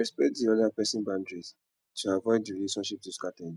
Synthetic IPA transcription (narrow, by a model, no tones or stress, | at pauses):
ɹɛspɛk̚tdiɔdapɛsĩnbãndɹiz | tʰuavɔɪddiɹileʃɔ̃nʃip̚tuskatɛ̃n